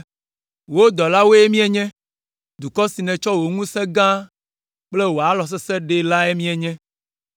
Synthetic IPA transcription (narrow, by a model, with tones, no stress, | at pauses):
wo˦d̪ɔ˨la˦wo˦e˦mĩ˦ɛ˨ɲɛ̃˦ | d̪u˨kɔ˦si˨nɛ̃˨t͡ʃɔ˦wo˨ŋũ˦sɛ̃˦ɡã˦ | k͡ple˦wo˨a˨lɔ˨s̬ɛ˦sɛ˦ɖe˨la˦e˦mĩ˦ɛ˨ɲɛ̃˦